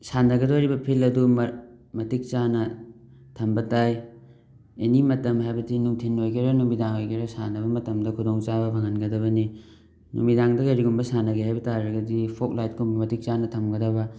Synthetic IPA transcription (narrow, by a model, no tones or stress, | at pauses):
sanɐɡɐdoɾibɐpʰilɐdummɐtik̚t͡ʃanɐ | tʰɐmbɐtaj | enimɐtɐmɦajbɐdinuŋtʰenojɡeɾɐnumidaŋojɡeɾɐsanɐβɐmɐtɐmdɐkʰudoŋt͡ʃabɐbʱaŋɐnɡɐdɐbɐni | nṵmidaŋdɐkajɾiɡumbɐsanɐɡeɦajbɐtaɾɐɡɐdipʰok̚lajt̚ɡumbɐmɐtik̚t͡ʃanɐtʰɐmɡɐdɐbɐ